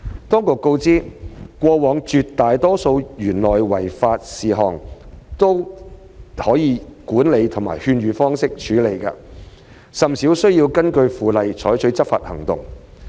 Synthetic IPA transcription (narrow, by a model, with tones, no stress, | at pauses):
t̪ɔː˥ŋkʊ˨kːo˧wt͡siː˥kʷɔː˧wɔː˨˧˥ŋt͡ʃyː˧tt̪aː˨jt̪ɔː˥so˧wɥyː˨˩nlɔː˨˩jwɐ˨˩jfaː˧t̚siː˨ɦɔ̰ː˨ŋt̪o˥w | hɔː˨˥jiː˨˧kuː˨˥nle˨˧jt̪ʰʊ˨˩ŋma̰ː˨˩jhyː˧nɥyː˨˧fɔː˥ŋsɪ˥k̚t͡ʃʰyː˨˥le˨˧jka̰ː˧ | sɐ˨msiː˨˥wsɵ˥ɥjiː˧wkɐ˥nkɵ˧ɥfuː˨˧lɐ˨jt͡ʃʰɔː˨˥jt͡ʃʰɵ˨˥t͡sɐ˥p̚fa̰ː˧t̚hɐ̰˨˩ŋt̪ʊ̰˨ŋ